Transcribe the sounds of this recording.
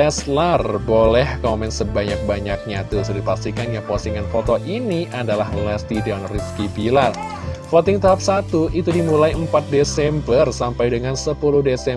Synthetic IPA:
ɛslərbolɛhkɔmɛnsəbaɲak̚baɲak̚ɲat̪usdipast̪ikanjaŋpɔsiŋanfot̪ɔʔiniʔadalahməlɛst̪ideɔnriskibilar | fɔt̪ɪŋt̪aɦap̚sat̪uʔit̪udimulaiəmpat̪̚desɛmbərsampajdəŋansəpuluhdesɛ

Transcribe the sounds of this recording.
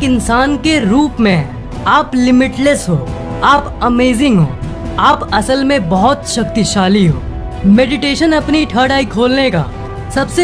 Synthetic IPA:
kɪnsaːnkeɾuːpmẽ | aːplɪmɪʈlesɦoː | aːpɐmeːzɪ̃ŋɡɦo̰ː | aːpɐsəlmẽbɔɦɔt̪ʃɐk̚t̪iʃaːliɦo̰ː | meːɖɪʈeːʃənɐpniʈʰəːɽaːikʰoːlneka̰ː | sɐbse

